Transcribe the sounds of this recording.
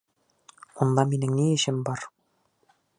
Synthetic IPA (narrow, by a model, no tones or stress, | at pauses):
und̪ˠɑminɘŋniɘ̆ɕɘmbɒɾ